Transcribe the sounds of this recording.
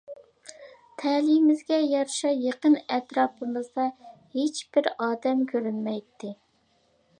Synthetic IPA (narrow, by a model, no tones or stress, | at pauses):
t̪ʰɛlimɪzɡʲɛjɑɾʃɑjeqənɛt̪ɾɑːpəmɨzd̪ɑhet͡ʃb̥ɪɾɑːd̪ɛmkʲʰøɾynmɛjt̪ʰːɪ